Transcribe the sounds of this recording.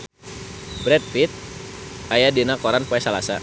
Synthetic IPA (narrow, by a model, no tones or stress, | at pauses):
bɾɛt̪̚fit̪̚ajadenakɔɾanpoɛsalasa̰